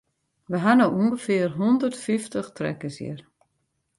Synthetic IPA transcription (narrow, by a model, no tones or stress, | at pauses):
ʋəɦanowuəŋɡəfɪərɦundərtfiftəxtrɛ̰kəsjḭr